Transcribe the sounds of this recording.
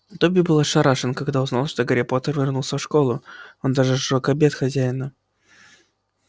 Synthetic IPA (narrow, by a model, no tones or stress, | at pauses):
d̪obʲɪbɨlˠaʂɐɾaʂɨnkɐɡd̪aʊznalˠʂt̪oɡɐɾʲepot̪ərvʲɪrnulˠsʲəfʂkolˠʊond̪aʐɨʂɨɾokɐbʲe̞t̪xɐzʲæjɪnə